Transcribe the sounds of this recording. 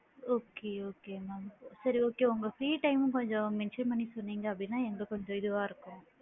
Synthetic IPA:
oːkeoːkeːmaːmsɐɾioːkeːʊŋɡɐfɾiːʈɐɪmɯ̃kɔɲd͡ʒɔ̃mɛnʃɐnmɐnisɔnːiːŋɡɐːpːɐɽinːaːɛŋɡɐɭkɔɲd͡ʒɔ̃ɪðɯʋaːɪɾɯkːʊ̃

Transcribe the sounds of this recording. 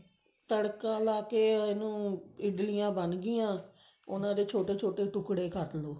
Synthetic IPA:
t̪əɽkãːlaːkeːenũːɪɖlɪjãːbənɡɪjãː | ʊnãːd̪eːt͡ʃʰoːʈeːt͡ʃʰoːʈeːʈʊkɽeːkʰəʈloː

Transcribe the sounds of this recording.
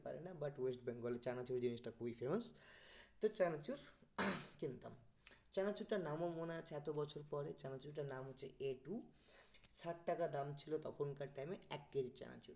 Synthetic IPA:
pa̰ɾenabaʈwesʈbɛŋkɔlet͡ʃanat͡ʃuɾd̪inisʈakoipʰemɔst̪ɔt͡ʃanat͡ʃuɾ | kint̪a̰mt͡ʃanat͡ʃuɾʈanamomonat͡ʃʰɛt̪obɔt͡ʃʰoɾpɔɾet͡ʃanat͡ʃuɾʈanamɦot͡sʰeeʈu | saʈʰʈakad̪amt͡ʃʰilot̪ɔkʰonkaʈajmeɛkːed͡ʒit͡ʃa̰na̰t͡ʃuɾ

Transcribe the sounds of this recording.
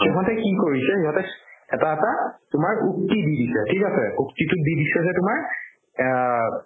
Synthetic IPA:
kiɔɦɔntɛkikoɹisɛhiɦɔtɛɛtaɛtatʊmaɹuk̚tididisɛtʰikasɛuktitʊdidisɛzɛtʊmaɹ

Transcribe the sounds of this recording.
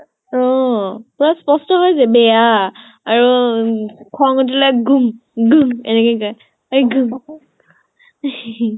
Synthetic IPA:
ɔpʊɹaspɔstɔɦɔjzɛbɛja | aɹu | kʰɔŋɔt̬ilaɡumɡumɛ̰nɛkɔkɔj | aɡum

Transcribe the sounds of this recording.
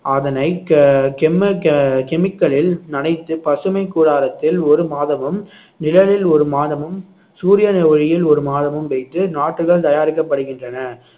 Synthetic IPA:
ɐðɐnɐɪkɛmɐkɛmɪkːɐɭɪlnɐɽɐɪt̪ːɯpɐsɯmɐɪkːuːɽaːɾɐt̪ːɪlɔɾɯmaːðɐmɯm | nɪlɐɻɪlɔɾɯmaːðɐmɯm | suːɾɪjɐnɛʋɐɻɪjɪlɔɾɯmaːðɐmɯmʋɐɪt̪ːɯnaːʈːrɯɣɐɭt̪ɐjaːɾɪk̬ːɐpːɐɽɯɣɪndrɐnɐ

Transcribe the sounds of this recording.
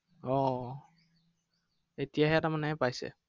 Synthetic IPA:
ɔ | etijaɦɛatamanɛɦɛpajsɛ̰

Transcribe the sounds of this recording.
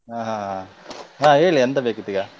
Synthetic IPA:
ɦãːɦãɦã | ɦãːɦeːɭiɐnt̪ɐbeːkut̪iɡaː

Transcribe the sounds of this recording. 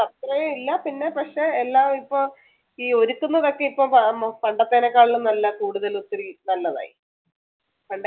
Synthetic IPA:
ɐt̪rɐjeilːɐpinːe̞pɐkʂe̞ːlːaːmipːom | iːo̞ɾukːunːɐðo̞kːeipːompɐɳɖɐt̪ːeːnɐkːaːɭiːunɐlːɐkuːɽuðɐlut̪ːɐɾinɐlːɐða̰ːji | pɐɳɖɐ

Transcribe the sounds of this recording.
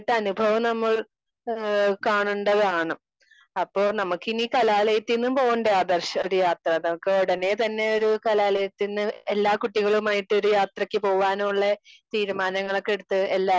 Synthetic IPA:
ʈːɨɐnubʱɐʋɐmnɐmːɐɭ | kaːɳuɳɖɐðaːɳɨ | ɐpːo̞ːɭnɐmukːiniːkɐlaːlɐjɐt̪ːinːumpo̞ːɣuɳɖɐjaːd̪ɐrɕɐoɾujaːt̪rɐnɐmukːɨoɽɐne̞t̪ɐnːe̞o̞ɾukɐlaːlɐjɐt̪ːinːɨe̞lːaːkuʈːiɣɐɭumaːjiʈːɨo̞ɾujaːt̪rɐkʲːɨpo̞ːʋaːnuɭːɐt̪iːɾumaːnɐŋːɐɭokːeɽut̪ːɨe̞lːaː

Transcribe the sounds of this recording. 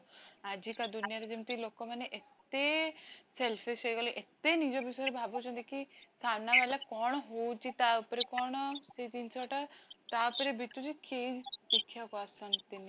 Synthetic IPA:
ad͡ʒikad̪unijaɾed͡ʒimt̪ilokomaneʔet̪eselfʰisəiɡɐloʔet̪enid͡ʒobisjɾebʱabot͡ʃʰõnd̪ikisamnaʋalakɔɳ̃ɦot͡ʃit̪aupɾekɔɳ̃set̪insɔʈat̪apɾebʱit̪ut͡ʃikeidikʰːjakoasənt̪ini

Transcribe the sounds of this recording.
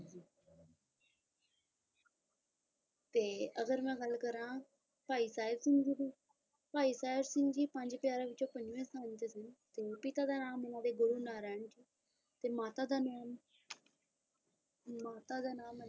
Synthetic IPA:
t̪eːəɡəɾmɛ̃ːɡəlkəɾãː | paːiːsaːɪɾsɪ̃ŋɡd͡ʒiːd̪iː | paːiːsaːɪɾsɪ̃ŋɡd͡ʒiːpəɲd͡ʒpɪjaːɾaːʋɪt͡ʃõːpəɲd͡ʒʋẽːsaːnt̪eːsɪnt̪eːpɪt̪aːd̪aːnaːmʊnãːd̪eːɡʊɾuːnaːɾɛːɳd͡ʒiː | t̪eːmaːt̪aːd̪aːm | maːt̪aːd̪aːnaːm

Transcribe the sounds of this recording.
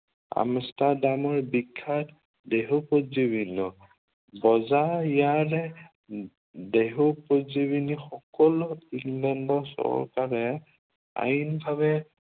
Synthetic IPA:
a̰mstadamɔɹbikʰːat | deɦupozibinɔ | bɔzaijaɹɛ | deɦupozibinixɔkɔlʊiŋlɛndɔsɔ̰ɹkaɹɛ | a̰jnbʱabɛ

